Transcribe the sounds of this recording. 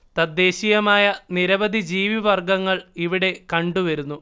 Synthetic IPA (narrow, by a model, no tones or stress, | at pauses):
t̪ɐd̪ːe̞ːɕijɐmaːjɐniɾɐbɐd̪ʱid͡ʑiːʋiʋɐrɡɐŋːɐɭiʋiɽe̞kɐɳɖuʋɐɾunːu